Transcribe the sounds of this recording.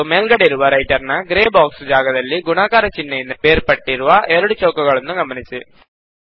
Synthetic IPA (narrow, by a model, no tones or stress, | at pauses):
meːlɡɐɽeiɾuʋɐɾɐjʈɐɾnɐɡɾeːbaːksd͡ʒaːɡɐd̪ɐlːiɡunaːkaːɾɐt͡ʃinːejind̪ɐbeːɾpɐʈːiɾuʋɐʔɛɾuɽut͡ʃoːkɐɡɐɭɐnːuɡɐmɐnisi